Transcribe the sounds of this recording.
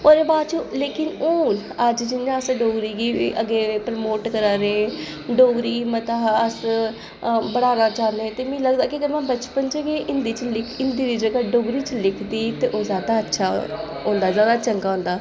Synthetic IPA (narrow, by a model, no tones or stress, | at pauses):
oːɾeːbaːd̪t͡ʃleːkɪnoːn | əd͡ʒd͡ʒɪnjãəsɖoːɡɾiːɡiːʔəɡeːpɾəmoːʈkəɾaːɾe | ɖoːɡɾiːɡiːmət̪aːəs | bəɽaːnaːt͡ʃaːnd̪eɛ̃t̪eːmĩːləɡd̪aːkiɡəmɛ̃ːbət͡ʃpənd͡ʒəɡeːʔɪnd̪iːt͡ʃlɪkʰɪnd̪iːɾid͡ʒəɡaːɖoːɡɾiːt͡ʃlɪkʰd̪iːt̪eːʔoːzjaːd̪aətːʃʰaː | ɦõːnd̪aːzjaːd̪aːt͡ʃəŋɡaːɦõːnd̪aː